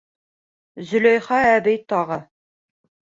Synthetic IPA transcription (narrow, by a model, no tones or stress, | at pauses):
zɵ̆læjχɑæbɘjt̪ɑʁɤ